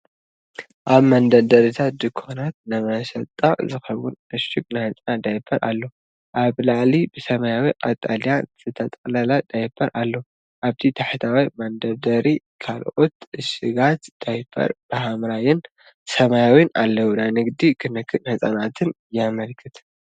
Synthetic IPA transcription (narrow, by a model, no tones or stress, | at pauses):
ʔaβmɐnd̪ɐd̪ɐɾit̪ʰat̪̚d̪ɨkʰːonat̪̚nɨmɐʃɐt̪ʼːazɨxɐwʊnɨʃɨkʼnajhɨt͡sʼnad̪ajfʰɐɾʔa̰lːo | ʔaβlaʕlibɨsɐmajawiqʼat̪ʼaljaz̥ɨt̪ʰɐt̪ʼɐkʼlalad̪̥ajfʰɐɾʔalːo | ʔaβt̪ʰit̪ʰaħt̪ʰawimand̪ɐd̪ɐɾi | kʰalʔo̞t̪ɨʃɨɡat̪d̪̥ajfʰɐ̰ɾb̥ɨɦamɾajɪn | sɐmajawina̰lːɐwunajnɨɡd̪ikʰɨnɨkʰːɨhɨsʼanat̪ʰɨnjamɐlkʰɨt̪ʰ